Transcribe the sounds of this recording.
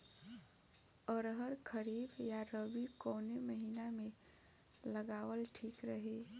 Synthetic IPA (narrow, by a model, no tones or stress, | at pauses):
ɔɾɦəɾkʰəɾiːbjaɾəbikɔːneməɦiːnamẽ | ləɡaːwəlʈʰiːkɾəɦeː